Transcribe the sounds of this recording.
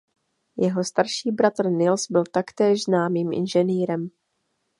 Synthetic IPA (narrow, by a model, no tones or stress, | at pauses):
jɛɦo̞st̪aɾʃiːbɾat̪r̩nɪlsbɪlt̪akt̪ɛːʒznaːmiːmʔɪ̰nʒɛniːɾɛm